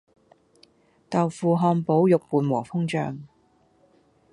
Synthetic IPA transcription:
t̪ɐ˨wfuː˨˩ɦɔː˧npo˨˥wjʊ˨k̚puː˨˧nwɔː˨˩fʊ˥ŋt͡ʃœ̰ː˨˧ŋ

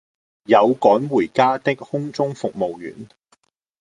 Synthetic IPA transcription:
jɐ˨˧wkɔː˨˥nwuː˨˩jkaː˥t̪ɪ˥k̚hʊ˥ŋt͡sʊ˥ŋfʊ˨k̚mo˨wjy̰ː˨˩n

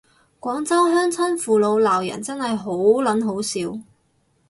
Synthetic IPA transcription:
kʷɔː˨˥ŋt͡sɐ˥wɦœː˥ŋt͡sʰɐ˥nfuː˨˩lo˨˧wlaː˨˩wjɐ̰˨˩nt͡sɐ˥nhɐ˨jɦo˨˥wlɐ˨˥nɦo˨˥wsiː˨˧w

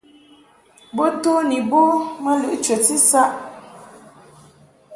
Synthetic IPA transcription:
bo˦to˦ni˨bo˦ma˦lɨ˦˨ʔt͡ʃə˨ti˦sa˦ʔ

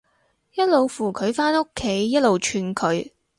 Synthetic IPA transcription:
jɐ˥t̚lo˨wfuː˨˩kʰɵ˨˧ɥfaː˥no˥kʰːe˨˥jːɐ˥t̚lo˨wt͡ʃʰyː˧nkʰɵ˨˧ɥ

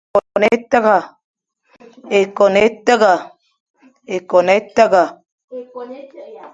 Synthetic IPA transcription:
ɔ˨ne˦tə˦ɣa˨ | e˨kɔ˨ne˦tə˦ɣa˨ | e˨kɔ˨ne˦tə˦ɡa˨

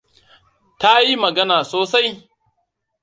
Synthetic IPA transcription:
ta˦ji˦mɐ˨ɡɐ˦naː˨soː˨sa˦j

